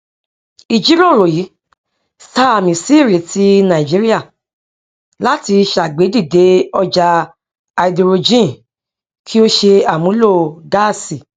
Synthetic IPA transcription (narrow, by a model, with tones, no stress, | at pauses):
i˨d͡ʒi˨˦ɾo˦˨ɾo˨ji˨˦ | sta˦a˨mĩ˨si˦i˦˨ɾe˨˦ti˦nã˨ĩ˨d͡ʒi˨˦ɾi˦a˦˨ | la˦ti˧ʃa˨ɡ͡be˨˦di˦˨de˨˦ɔ˧d͡ʒa˧ | a˧i˨di˧ɾo˧d͡ʒĩ˦˨ | kʰi˦o˦ʃe˧a˨mũ˨˦lo˦˨ɡa˦˨si˨